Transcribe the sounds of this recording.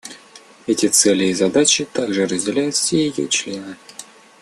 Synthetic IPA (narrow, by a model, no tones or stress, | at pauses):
ɛtʲɪt̪sɛlʲɪːzɐd̪at͡ɕɪt̪aɡʐɨɾəzʲdʲɪlʲæjʊt̪fsʲejɪjo̰t͡ɕlʲe̞nɨ